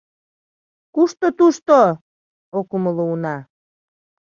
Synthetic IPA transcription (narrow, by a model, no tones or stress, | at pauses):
kuʃt̪ot̪uʃt̪o | okuməlounɑ